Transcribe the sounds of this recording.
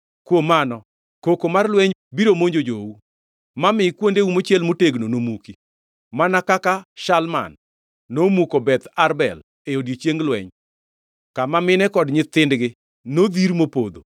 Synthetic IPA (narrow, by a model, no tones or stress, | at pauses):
kwomanɔ | kokomarlwɛɲbiɾomoɲd͡ʒod͡ʒowu | mamɪkwondeumot͡ʃɛlmoteɡnonomuki | manakakaʃalma̰nː | omukobɛt̪aɾbɛ̰l | eodjet͡ʃjeŋɡlwɛ̰ɲ | kamamɪnɛkɔdɲɪt̪ɪndɡɪ | nod̪iɾmopod̪o̰